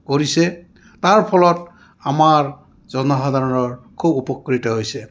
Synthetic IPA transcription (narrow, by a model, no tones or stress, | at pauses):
koɹisɛ | taɹpʰɔlɔt̚ | amaɹ | zɔnɔɦad̪ʱaɹɔnɔɹkʰubupɔkːɹitɔɦojsɛ